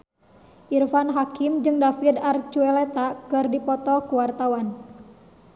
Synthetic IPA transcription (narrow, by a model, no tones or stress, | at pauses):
ʔirfanɦakimd͡ʒɨŋdafid̪art͡ʃuɛlɛt̪akɨrdipɔt̪ɔkuwart̪awan